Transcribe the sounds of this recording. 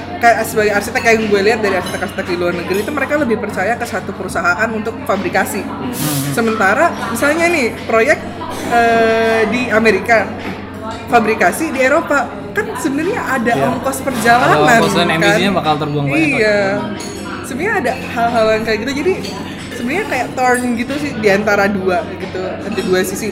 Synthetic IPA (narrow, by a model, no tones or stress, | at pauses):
kajasəbaɡajarsit̪akajaŋbualiɦat̪̚daɾiarsit̪akasit̪akiluarnəɡɾiːt̪uməɾekaləbɪhpərt͡ʃajakəsat̪upəɾusaɦaʔanunt̪ʊk̚fabɾikasi | səmənt̪aɾamisalɲanɪhpɾojɛk̚t̪̚ | ədiameɾika | fabɾikasidieɾopa | kansəbənərɲaʔadaɔnt̪ɔspərd͡ʒalanasnɛkaiiɲabakalt̪ərbuaŋija | səbənɲaːdahalɦalankajaʔɡit̪ud͡ʒadi | səbənərɲakajaʔt̪ɔrnɡit̪usɪhdiant̪aɾaduaɡit̪unant̪iduasisɪ